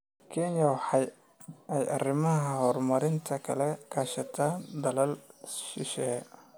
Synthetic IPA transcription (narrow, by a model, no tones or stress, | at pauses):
kʰɛnjɐwɑħɑj | ɛjɐrɪmɐɦɐhɔːrmɐɾɪnt̪ʰɐkʰɐlɛkʰaːʃɐt̪ʰaːnd̪ɐlɐlʃɪʃɛː